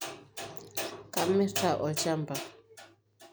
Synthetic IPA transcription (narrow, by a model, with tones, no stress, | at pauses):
ka˦˨mi˦ka˨ʔɔ˨t͡ʃa˦mba˨